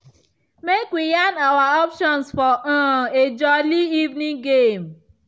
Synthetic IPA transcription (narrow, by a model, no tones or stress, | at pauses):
mekwijanawaɔpʃɔ̃nsfɔʔãed͡ʒɔliivnĩŋɡem